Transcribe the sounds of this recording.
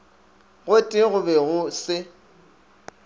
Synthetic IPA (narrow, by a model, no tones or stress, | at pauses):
ɣʊtʼɪɣʊbɛɣʊsɪ